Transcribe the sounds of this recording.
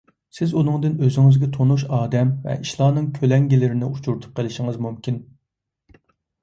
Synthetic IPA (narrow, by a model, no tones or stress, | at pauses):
sɪzunɨŋd̪ɪnøzɪŋɪzɡʲɛt̪ʰonuʃɑːd̪ɛmvɛ̰ʔiʃlˠɑːnɨŋkʲʰølɛŋɡʲilɪɾɪnɪut͡ʃʰuɾt̪ʰʊ̥p̚qʰəlɪʃɪŋɨzmumkʲʰin